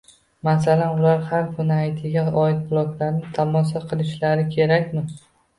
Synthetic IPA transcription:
masalanʊlaɾhaɾfʊnajt̪ʰɪɡʲaɒɪt̪̚bʊlˠɒklaɾnɪt̪ʰamɒs̬aqʰɨlˠɪʃlaɾɪkʲʰe̞ɾakʲmɪ

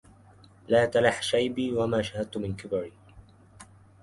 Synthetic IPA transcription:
laːt̪alaħʃajbiːwamaːʃahad̪̚t̪ʊmɪnkɪbaɾiː

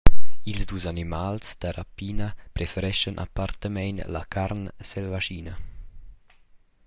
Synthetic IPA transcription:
ilzd̪uːzanimalsd̪̥aɾapiːnəpɾɛfəɾɛʃənʔa̰part̪əmɛjnla̰kʰaɾnsɛlvaʃiːnə

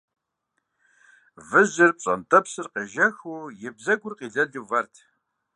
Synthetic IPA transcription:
vɨzɨrpɕʼɐ̰ntʰʼɐpsɨrqɐʒɐxuːjɪbzɐɡʷʊrqiːɮɐɮuvɐrtʰ

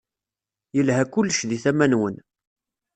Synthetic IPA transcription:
jəlɦækʊlːʃðiθæmænwən

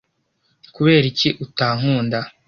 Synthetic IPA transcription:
kuβe̞ːɾiciʔutaːŋ̥uːnda

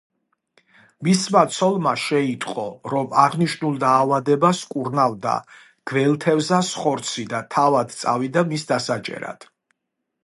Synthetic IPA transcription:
mismat̪sʰɔlˠmaʃɛit̪ʼqʼɔɾɔmaʁniʃnulˠd̪aːvad̪ɛbaskʼuɾnavd̪a̰ | ɡ̥vɛlˠt̪ʰɛvzasχɔɾt̪sʰid̪at̪ʰavad̪t̪sʼa̰vid̪amisd̪asat͡ʃʼɛ̰ɾa̰d̪̥

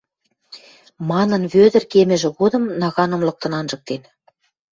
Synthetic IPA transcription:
mɑnɤ̆nβød̪ə̆rkemɘ̆ʒĕɣod̪ɤ̆mnɑɣɑnɤ̆mlɤ̆k̚t̪ɤ̆nɑnʒɤ̆k̚t̪en

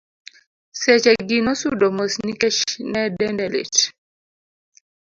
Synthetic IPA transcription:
sɛt͡ʃɛɡinɔsudɔmosnikɛʃnɛdɛndɛlḛt

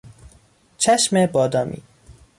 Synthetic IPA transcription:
t͡ʃʰæʃmebɒːd̪ɒːmʔḭː

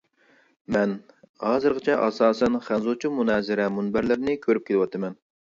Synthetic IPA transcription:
mɛn | hɑːzɨɾʁət͡ʃʰɛʔɑsɑːsɛnχænzut͡ʃʰimunɛːzɪɾɛmunbæɾlɪɾnɪkʲʰøɾyp̚kʲʰelˠɨwɑt̪ʰɨmɛn

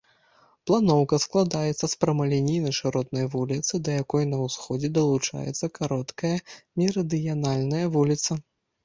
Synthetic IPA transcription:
plˠanɔwkɐsklˠad̪ajɛt̪sːɐspɾɐmalʲɛnʲijnɐʂɨɾɔt̪̚nɐjvulʲit̪sɨd̪ɐjakɔjnɐwsxɔd͡zʲɛd̪ɐlˠut͡ʂa̰jɛ̰t̪sːɐkaɾɔt̪kɐjɐnʲiɾɐd̪ɨjanalʲnɐjɐvulʲit̪sɐ

